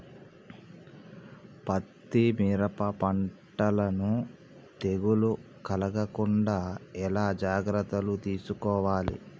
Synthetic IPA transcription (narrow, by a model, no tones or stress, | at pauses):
pɐt̪ːimiːɾɐpɐpɐɳʈːɐlɐnu | t̪eɡulu | kɐlɐɡɐkuɳɖaːɛlaːd͡ʒaːɡɾɐt̪ːɐlut̪iːsukɔːʋaːlḭ